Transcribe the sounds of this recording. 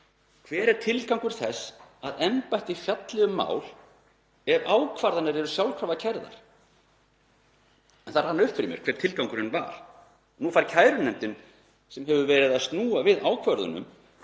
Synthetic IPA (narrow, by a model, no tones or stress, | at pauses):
kʰv̥ɛːɾɛɾ̥t̪ʰɪlkawŋkʏɾ̥θɛsaðɛmpajht̪ifjat̪lɛɣʏmːa̰ːwl | ɛvaːwkʰvaɾðanaɾɛɾʏsjawlkʰɾavðacʰɛɾða̰ɾ̥ | ɛnθaɾ̥hanːʏhpfɪɾɪmjɛɾ̥kʰvɛːɾ̥t̪ʰɪlkawŋkʏɾɪnva̰ɾ̥ | nufaɾcʰaːjɾʏnɛmt̪ɪn | sɛmɦɛvʏvɛːɾɪðast̪nuːavɪðaːwkʰvœɾðʏ̰nʏ̰m